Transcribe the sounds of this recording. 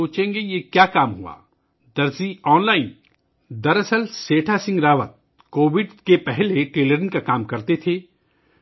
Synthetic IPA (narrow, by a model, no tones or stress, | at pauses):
oːt͡ʃẽːŋɡejekjaːkaːmɦua̰ː | d̪ɐɾziɔːnlaːɪn | d̪ɐɾɐsəlseːʈʰasɪ̃ŋɡɾaːʋət̪̚ | koːʋɪɖkepɛɦleʈeːləɾɪ̃nkakaːmkɐɾt̪et̪ʰeː